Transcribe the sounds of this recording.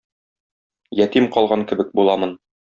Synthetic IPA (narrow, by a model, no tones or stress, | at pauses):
jæt̪imqɒlˠʁɑŋkɘ̆bɘk̚bulˠɑmɤn